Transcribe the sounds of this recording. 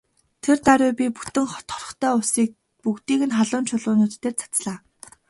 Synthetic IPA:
t̪ʰert̪aɾʲʊːpʲipu̥t̪ɘ̆ŋχɔ̥t̪χɔ̥rɞ̆χt̪ʰæːʊsiːk̚ | pukt̪iːɣɘ̆nχaɮʊːnt͡ɕʰʊɮʊːnuːt̪t̪ːeːrt͡sʰḁt͡sɮaː

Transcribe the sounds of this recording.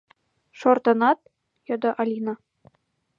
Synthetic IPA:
ʃort̪ɤ̆nɑt̪̚ | jod̪ɤʔɑlʲinɑ

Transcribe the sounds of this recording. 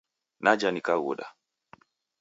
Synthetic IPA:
nad͡ʒanikaɣṵɗa̰

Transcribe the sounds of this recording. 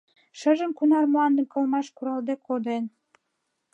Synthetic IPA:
ʃə̆ʒə̆mkunɑrmoɑnd̪ə̆mkɤ̆lmɑʃkuɾɑld̪ekʰod̪en

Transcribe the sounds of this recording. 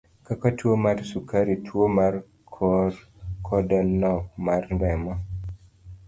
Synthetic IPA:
kakatwomarsukaɾitʰwomar | kʰɔr | kʰɔdɛnːɔk̚marndɛmɔ

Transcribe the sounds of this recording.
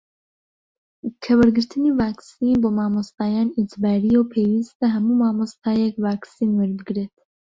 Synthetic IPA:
kʰɛwɛɾɡɨɾt̪ʰɨniːvɑːksiːnbɨmɑːmost̪ɑːjɑːnid͡ʒbɑːɾijowpʰeːwist̪ɛɦɛmuːmɑːmost̪ɑːjɛkvɑːksiːnwɛɾbɨɡɾet̪

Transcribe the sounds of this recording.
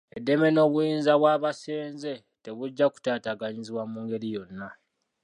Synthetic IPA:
edːe̞me̞no̞ːβujiːnzaβwaːβase̞ːnze̞ | te̞βuɟːaku̥taːtaɡaɲiziβwamuːŋɡe̞ɾijo̞nːa

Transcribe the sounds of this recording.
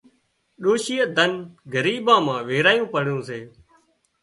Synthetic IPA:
ɗoːʃiːəd̪ʱənɡəɾiːɓãːmãːʋeːɾaːjũːpəɽjõːseː

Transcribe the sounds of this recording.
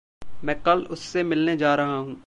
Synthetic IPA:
mɛ̃ːqɐlʊsːemɪlned͡ʒaːɾɐɦaɦũː

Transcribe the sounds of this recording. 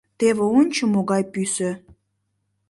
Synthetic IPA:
t̪eβeonʲt͡ɕəmoɣɑjpyse

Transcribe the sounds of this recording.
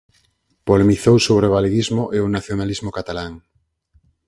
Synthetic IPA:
polemiθowsoβɾeβ̞aleɣizmoʔeonaθjonalizmokat̪alaŋ

